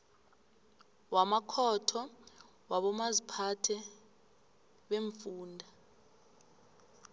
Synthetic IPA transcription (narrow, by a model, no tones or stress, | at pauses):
wamakʰɔtʰɔ | waɓɔmazipʰatʰɛ | ɓeɱfuːndʱa